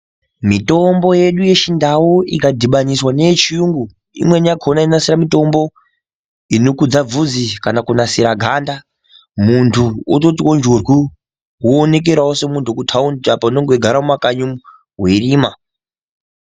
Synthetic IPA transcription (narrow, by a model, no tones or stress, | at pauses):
mito̞mbo̞je̞ɗuje̞t͡ʃindawoikadʱiɓaɲiswane̞t͡ʃijuŋɡu | ḭmwe̞ɲaɡʰʱonainasiɾamito̞mbo̞ | inokud͡zavud͡zikanakunasiɾaɡʱanda | muntʰuoto̞tiwond͡ʒorwu | woːne̞k̬e̞ɾaose̞muntʰukutʰaunapaunoŋɡeɡʱaɾamumakaɲum | weriːma